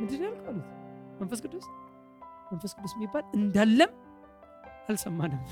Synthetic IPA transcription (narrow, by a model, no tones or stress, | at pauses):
mɨnd̪ɨnːjalkʰmalət̪mənfəs̬kɨt̪os | mənfəskɨt̪ʰosmibːalɨnd̪alːəm | ʔalsəmːanəm